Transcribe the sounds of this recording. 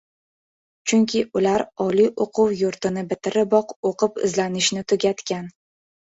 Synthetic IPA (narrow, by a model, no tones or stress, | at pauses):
t͡ʃʰʊŋkʲʰɪʔʊlaɾɒliʔoqʰʊwjʊɾt̪ɪnɪbɪt̪ʰɪɾɪbɒqoqʰɨpɪ̰zlanɪʃnɪt̪ʰʊɡʲat̪kʲan